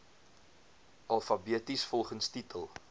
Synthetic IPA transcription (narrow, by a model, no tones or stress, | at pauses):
ʔɐlˠfɐbiətisfɔlˠχənstitəlˠ